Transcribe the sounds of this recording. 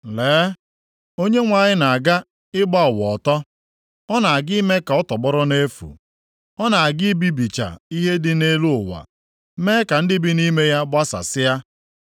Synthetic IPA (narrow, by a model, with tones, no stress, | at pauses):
leː˨˦ | o˦ɲe˦ŋʷa˨ɲɪ˦na˨a˨ɡa˦ | ɪ˦ɡ͡ba˦ɔ˨wɔ˨tɔ˦ | ɔ˦na˨a˨ɡɪ˦me˦ka˨ɔ˦tɔ˨bɔ˦ɾɔ˦ne˦fṵ˨ | ɔ˦na˨a˨ɡɪ˦bi˦bi˨t͡ʃa̰˨i˦ɦe˦dɪ˦ne˦lu˦ʊ˨wa̰˨˦ | me˦ka˨n̩˦dɪ˦bɪ˦ni˦me˦ja˦ba˦sa̰˨sɪ˦ja˦